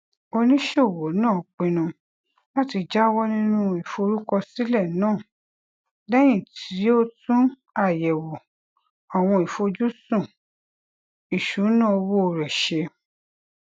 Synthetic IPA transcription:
o˧nĩ˦ʃo˦˨wo˨˦nãː˦˨k͡pĩ˧nũ˧ | la˦ti˧d͡ʒa˦wɔ˦nĩ˦nũ˦i˨fo˧ɾu˦kɔ˧si˦lɛ˦˨nãː˦˨ | dɛ˦j̃ĩ˦˨tʰi˨˦o˦tũ˦ | a˦˨jɛ˨wo˨ | ɔ˨w̃ɔ̃˧i˨fo˧d͡ʒu˦sũ˦˨ | i˨ʃu˨˦nãː˦˨o˧wo˦˧ɾɛ˨ʃe˧

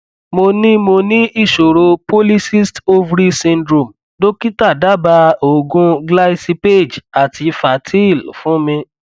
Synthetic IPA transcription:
mo˧nĩ˦mo˧nĩ˦i˦˨ʃo˨ɾo˧po˦li˦si˦sto˦vɾi˦sĩ˧ndɾo˨m | do˦ki˦ta˦˨da˦ba˧o˨ɡũ˧ɡla˦si˧pe˦˨d͡ʒa˨tʰi˧fa˨tʰi˦i˦˨lṵ˨fũ˦mĩ˧

